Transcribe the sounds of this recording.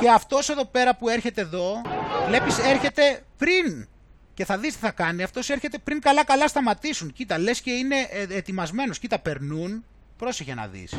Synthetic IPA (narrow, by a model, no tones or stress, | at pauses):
ce̞ɐft̪o̞se̞ðo̞pe̞ɾɐpue̞ɾçe̞t̪e̞ːðo̞le̞pise̞ɾçe̞t̪e̞pɾin | ce̞θɐðist̪i̥θɐkɐniɐft̪o̞se̞ɾçe̞t̪e̞pɾiŋkɐlɐkɐlɐst̪ɐmɐt̪isuncit̪ɐle̞sce̞ine̞ːt̪imɐzme̞no̞scit̪ɐpe̞ɾnun | pɾo̞seçenɐ̰ðḭs